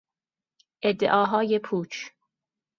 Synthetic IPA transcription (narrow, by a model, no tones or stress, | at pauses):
ʔed̪ːḛʔɒːɦɒːjepʰuːt͡ʃʰ